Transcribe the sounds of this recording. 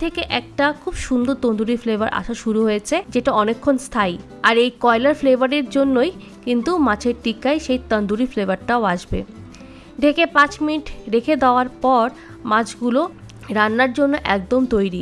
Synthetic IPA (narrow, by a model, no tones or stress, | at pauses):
t̪ʰekeʔɛk̚ʈakʰubʃund̪ʱot̪ond̪uɾiflebaɾʔa̰ʃaʃuɾuɦojet͡ɕʰed͡ʑeʈaɔnekʰːonst̪ʰaj | aɾejkɔelaɾflebaɾeɾd͡ʑonːoj | kint̪umãt͡ɕʰeɾʈikajʃejt̪ənd̪uɾiflebaɾʈaoaʃbḛ | ɖʱekepãt͡ɕminiʈɾekʰed̪eoaɾpɔɾ | mãt͡ɕɡulo | ɾanːaɾd͡ʑonːoʔɛk̚d̪omt̪ojɾi